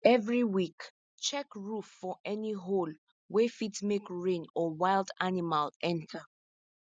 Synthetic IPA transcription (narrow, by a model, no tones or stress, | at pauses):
ɛvɹiwik | t͡ʃɛkɹufːɔʔɛniɦol | wefitsmekɹẽnɔwaɪldanimalʔɛ̃ntʰə